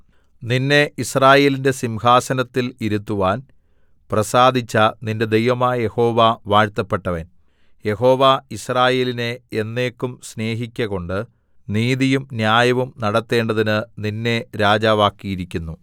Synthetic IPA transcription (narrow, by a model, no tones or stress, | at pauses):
ninːe̞ʔisraːje̞ːlinde̞simɦaːsɐnɐt̪ːiliɾut̪ːuʋaːn | prɐsaːd̪ʱit͡ɕːɐninde̞d̪e̞jʋɐmaːjɐje̞ho̞ːʋaʋaːɻt̪ːɐpːe̞ʈːɐʋen | je̞ɦo̞ːʋaisraːje̞ːline̞ːnːe̞ːkːumsne̞ːɦikʲːɐɣo̞ɳɖɨ | niːðijumnjaːjɐʋumnɐɽɐt̪ːe̞ːɳɖɐðinɨninːe̞ɾaːd͡ʑaːʋaːkːijiɾikʲːunːu